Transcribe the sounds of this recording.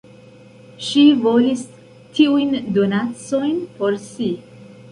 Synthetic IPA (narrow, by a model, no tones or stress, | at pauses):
ʃivolist | t̪ʰiujnd̪onat̪sojnpɔɾsi